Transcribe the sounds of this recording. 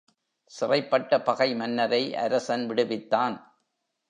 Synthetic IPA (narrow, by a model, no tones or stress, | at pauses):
sɪrɐɪpːɐʈːɐpɐɣɐɪmɐnːɐɾɐɪʔɐ̰ɾɐsɐnʋɪɽɯʋɪt̪ːaːn